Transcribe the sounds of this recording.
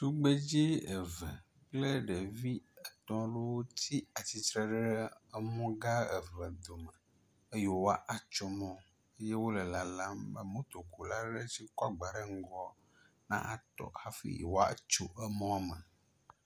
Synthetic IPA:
t̪u˦ɡ͡be˦d͡ʒi˦ə˨və̰˨ | k͡ple˦ɖe˨vi˦ɛ˨t̪ɔ̃˦ɖo˦wo˦t̪ʰi˦a˨t͡ɕi˨t̪ɾɛ˦ɖɖɛ˦ə˦mɔ̃˦ɡa˦ḛ˨və˨d̪o˨mə˨ | e˦jo˨wa˦ʔa˨t͡ʃo˦mɔ̃˦ | e˦je˦wo˦lə˨la˨la˦mbə̰˦mõ˦t̪o˨ko˨la˦ɖe˦si˦kɔ˦a˦ɡ͡ba˨ɖe˦ŋ̩˦ɡɔ˦ | nã̰˦ʔa˨t̪ɔ̰˨ha˦fḭ˦˨wo˦a̰˦t͡ʃo˨ʔə˦mɔ̃˦a˦˨mə̰˨

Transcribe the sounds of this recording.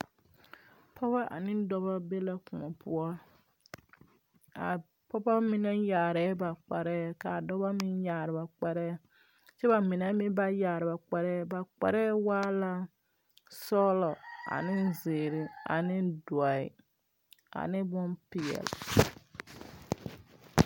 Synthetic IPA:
pʰɔ˦ba˦ʔa̰˨nɪ˦dɔ˦ba˦be˦la˦kʊ˨ŋɔ˨pʰʊ˦ɔ˦ | a˨ | pɔ˦ba˦mi˦na˦jaː˨ɾɛː˦ba˨k͡pa˨ɾɛː˦ka˨dɔ˦ba˦mɪ˦njaː˨ɾɪ˨ba˨k͡pa˦ɾɛː˦ | t͡ʃɛ˦ba˨mɪ˨na˦mɪ˦ba˦jaː˨ɾɪ˨ba˨k͡pɛ˨ɾɛː˦ba˨k͡pɛ̰˨ɾɛː˦waː˦la˦ | sɔː˦lɔ˨a̰˨nɪ˦zɪː˨ɾɪ˨a̰˨nɪ˦dɔ˨ḭ˨ | a̰˨nɪ˦bʊ˦npɪ˨ɛ̰˨l

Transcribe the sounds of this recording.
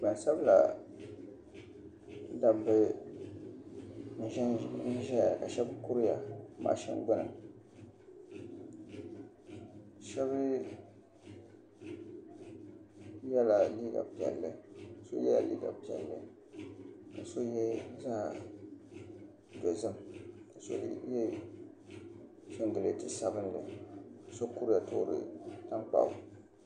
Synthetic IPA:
ba˨n˨sa˦bla̰˨˦ | da˨mbɨ˦ | n̩˦ʒɛ˦n̩˦ʒɛ˦ja˨a˨ka˨ʃɛ˦bɨ˦ku˦ɾja˨˦ma̰ː˨˦˨ʃɛ̰˦n˦ɡ͡bʊ˦nɨ̰˨m˨ | ʃɛ˦bɨ˦ | jɛ˦la˨liː˦ɡa̰˨pi˨ɛ̰˨lːɨ˦˨so˦jɛ˦la̰˨lḭː˦ɡa̰˨pi˨ɛ̰˨lːɨ̰˦ | ka˨so˦jɛ˦zaː˦˨ | do˨zɨ˦mka˨so̰˦jɛ˦ | so˦n˦dɨ˨lɨ˦tɨ˦sa˦bɨ˦nlɨ̰˨ka˨so˦ku˦ɾa˨to̰˦ɾɨ̰˨ta˦ŋk͡pa̰˨ʊ˦

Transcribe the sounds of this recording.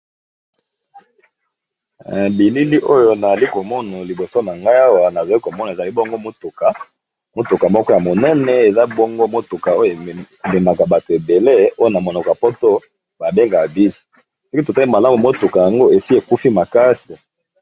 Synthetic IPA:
bi˨li˦li˦ʔo˦jo˦na˨za˨li˦ko˨mɔ˦na˨li˨bo˨so˦na˨ŋɡa˦ja˦wa˨na˨za˨li˦ko˨mɔ˦na˨e˨za˨li˦bɔ˦ŋɡo˦mo˦tu˨ka˨ | mo˦tu˨ka˨mɔ˦kɔ˦ja˨mo˨nɛ˦nɛ˨e˨za˦bɔ˦ŋɡo˦mo˦tu˨ka˨o˦jo˦˨ | me˨ma˨ka˨ba˨to˨e˨be˨le˦o˦jo˦na˨mo˨nɔ˨ka˨po˦to˦ | ba˨be˦ŋɡa˨vi˦zi˨ | so˦ki˦to˨ta˦i˦ma˨la˦mu˨mo˦tu˨ka˨ja˨ŋɡo˦e˨si˦e˨ku˦fi˦ma˨ka˦si˨

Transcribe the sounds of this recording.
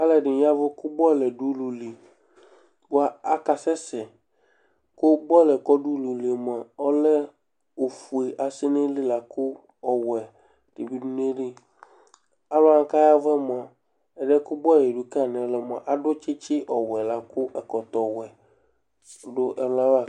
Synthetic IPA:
a˦lɛ˨ɖɪ˨˦a˦vʊ˦kʊ˦bɔ˦˨lɛ˨ɖu˦lu˨li˨ | wa˨a˦ka˨sɛ˦sɛ˨ | kʊ˦bɔ˦˨lɛ˨kɔ˦ɖu˦lu˨li˨ɛ˨m˨a˨ɔ˦lɛ˦ | o˨fu˨e˨ʔa˨sɪ˦nɪ˦lɪ˦la˨kʊ˦ | ɔ˨wɛ˨ | d̥e˨bi˦du˦n˦e˦ɖɪ˦ | a˦ba˦ŋ˦ka˦ja˦vɛ˦mo˨a˨ | ɛ˨ɖɛ˦kʊ˦bɔ˦˨lɛ˨ɖu˨ka˦˨n˨ɛ˨˦lɛ˨mʊ˨a˨ʔa˦ɖʊ˦t͡ʃɪ˦t͡ʃɪ˦ʔɔ˨wɛ˨la˨kʊ˦ʔɛ˨kɔ˨t̪ɔ˨wɛ˨ | ɖʊ˦ʔɛ˨wa˦la˦˨

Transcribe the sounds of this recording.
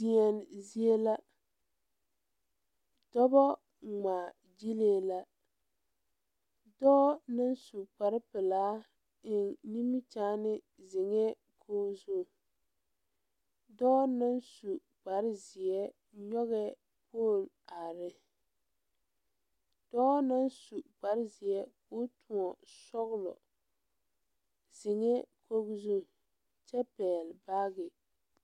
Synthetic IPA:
di˨ɛ˨n˨zi˦e˦la˦ | dɔ˦bɔ˦ | ŋ͡maː˨ | d͡ʒi˦leː˦˨la˦ | dɔː˦na˦nsu˨k͡pa˨ɾɪ˦pɪ˨laː˨˦ | ɪ˨nni˦mi˦t͡ʃaː˦nɪ˦ | zɪ˨ŋɛ˦ | kʰoː˦zu˦˨ | dɔː˦na˦nsu˨ | ɡ͡ba˨ɾɪ˦zɪ˨ɛ˦ | ɲɔ˦ɣɛ˦ | pʰoː˦˨l | a˨ɾɪ˦ | d̥ɔː˦na˦nsu˨ɡ͡ba˨ɾɪ˦zi˨ɛ˦kʊ˦tu˨ɔ˨sɔ˦ɣlɔ̰˨ | zɪ˨ŋɛ˦kʰo˦ɡzu˦ | t͡ʃɛ˦pɛː˨lba˦ɡɪ˨

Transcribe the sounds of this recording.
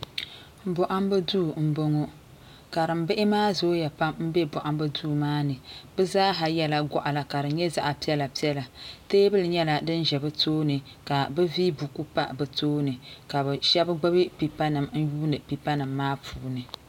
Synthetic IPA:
bɔ˨ʔa˦m˦bɨ˦duː˦˨m̩˦bo˦ŋo˦ | ka˨ɾɨ˨m̩˦bɪ˦ʔɪ˦maː˦zoː˦ja˨pa˦mm̩˦bɛ˦bɔ˨ʔa˦m˦bɨ˦duː˦˨maː˦nɨ˨bɨ˦zaː˦ɦa˨jɛ˦la˦ɡʷɔ˦ʔa˨la˨ka˨ɾɨ˨ɲɛ˦za˦ʔa˨pi˦ɛ˦la˨pi˦ɛ˦la˨teː˦bɨ˦lɨ˨ɲɛ˦la˨dɨ˦nʒɛ˨bɨ˦toː˦nɨ˨ | ka˨bɛ˦viː˦bu˨ku˦pa˦bɨ˨toː˦nɨ˨ka˨bɛ˨ʃɛ˦bɨ˦ɡ͡ba˦bi˦pi˨pa˦nɨ˨mn̩˦juː˦nɨ˨pi˨pa˦nɨ˨mːaː˦pʰuː˨˦nɨ˨

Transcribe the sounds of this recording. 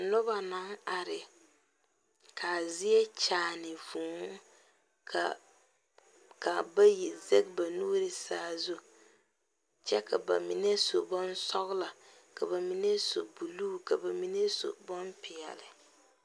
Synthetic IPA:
nʊ˦ba˨na˦ŋa˨ɾɪ˨ | kʰa˨zi˦ɛ˦t͡ʃaː˨nɪ˨vuː˨˦ŋ˦ | ka˨ | ka˨ba˦ji˨zɛ˦k̚ba˨nuː˦ɾɪ˨saː˦˨zu˦ | t͡ʃɛ˦ka˨ba̰˨mi˦nɛ˦so˨bɔ˦nsɔ˦ɣla˨ | ka˨ba˨mi˦nɛ˦so˨bu˨luː˦ka˨ba˨mi˦nɛ˦so̰˨bɔ˦npɪ˨ɛ̰˨lɪ˨

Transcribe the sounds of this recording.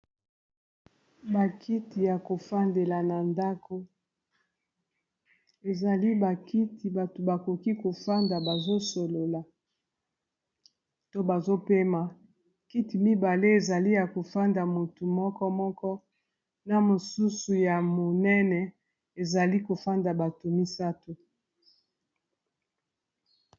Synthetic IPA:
ba˨kʰi˦ti˨ja˨ko˨fa˦nde˨la˨na˨nda˦ko˨ | e˨za˨li˦ba˨ki˦ti˨ba˨to˨ba˨ko˨ki˦ko˨fa˦nda˨ba˨zo˦so˨lo˨la˨ | to˦ba˨zo˦pe˦ma˨ | ki˦ti˨mi˦ba˨le˦e˨za˨li˦ja˨ko˨fa˦nda˨mo˨tu˨mɔ˦kɔ˦mɔ˦kɔ˦ | na˨mo˨su˦su˨ja˨mo˨nɛ˦nɛ˨ | e˨za˨li˦ko˨fa˦nda˨ba˨to˨mi˦sa˦to˨

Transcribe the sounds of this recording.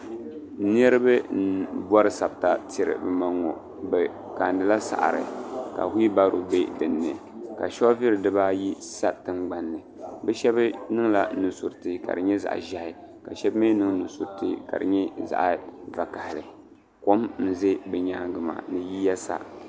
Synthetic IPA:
ni˦ɛ˦ɾɨ˦bɨ˦n̩˦bɔ˦ɾɨ˦sa˨b̚ta˨ti˨ɾɨ̰˨bɨ˨ma˦ŋːɔ̰˨ | bɛ˨ | ka˨ndɨ˦la˦sa̰˨ʔɾɨ̰˨ka̰˨hi˦i˦ba˦ɾo˨be˦dɨ˨nːɨ̰˨ka˨ʃɔ˦vi˦ɾɨ˨dɨ˦ba˦ji˦sa˦tɨ˦mɡ͡ba˨nːɨ˨ | bɛ˦ʃɛ˦bɨ˦nɨ˦ŋla˨˦nu˨su˨ɾtɨ˨ka̰˨dɨ˨ɲɛ˦za̰˨ʔʒa˦hɪ˨ka˨ʃɛ˦bmeː˦nɨ˦ŋnu˨su˨ɾtɨ̰˦ka̰˨dɨ̰˨ɲɛ˦za̰˨ʔva˨ka˨hɪ˨ɾɨ˨ | ko˦mn̩˦ze˦bɛ˨ɲaː˦ɡɨ˨ma̰˨nɨ˨ji˦jɛ˦sa̰˦

